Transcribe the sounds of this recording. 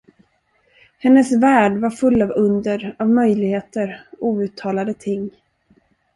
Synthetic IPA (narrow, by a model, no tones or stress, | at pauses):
hɛnːəsvæːɖvaɾfɵlːavɵnd̪əɾavmœjlɪɡheːt̪əɾuːʉ̟ːt̪ʰːɑːlad̪ət̪ʰɪŋː